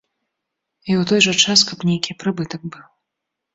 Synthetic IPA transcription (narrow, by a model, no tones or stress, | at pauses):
iwt̪ɔjʐɐt͡ʂaskɐbnʲejkʲipɾɨbɨt̪ɐɡ̚bɨw